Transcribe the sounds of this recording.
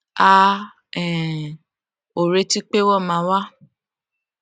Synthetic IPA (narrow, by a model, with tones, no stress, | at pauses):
a˦ | ɛ˨ | o˨ɾe˨˧ti˦k͡pe˦wɔ˦˨mã˧˦wa˦